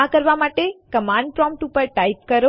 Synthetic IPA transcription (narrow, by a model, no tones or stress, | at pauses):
akəɾʋamaʈekəmãɳɖ̚pɾɔ̃mpʈupəɾʈajp̚kəɾo